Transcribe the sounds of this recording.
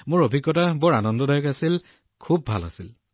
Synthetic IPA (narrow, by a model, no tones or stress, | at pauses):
mʊɹobʱikːɔtabɔɹanɔndɔdajɔkasil | kʰubːʱa̰la̰sil